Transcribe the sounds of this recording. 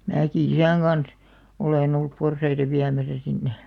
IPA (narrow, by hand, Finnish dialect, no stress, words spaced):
mæːki isæˑŋ ɡ̊ɑns oleˑn olːup porsɑitɑ ʋiæmæsæ sinːe